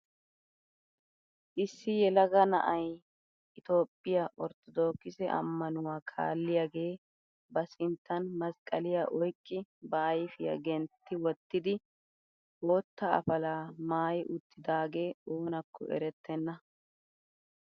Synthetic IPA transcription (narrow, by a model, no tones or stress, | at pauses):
ʔɪsːɪjɛlɐɡɐnɐ̰ʔɐj | ʔɪt̪o̞ːpʼːɪjaʔɔɾt̪ɔd̪o̞ːkːɪsɛʔɐ̰mːɐnʊwaːkʰa̰ːlːɪjaɡe̞ː | bɐsɪnt̪ʰːɐnmɐskʼɐlɪjaʔɔjkʼːɪbɐːjfɪjɐ̰ɡɛnt̪ːɪwɔt̪ːɪd̪ɪ | woːt̪ːɐɐ̰fɐlaːmaːjʔʊt̪ːɪd̪aːɡe̞ːo̞ːnɐkʰːɔ̰ɛ̰ɾɛt̪ːɛnːɐ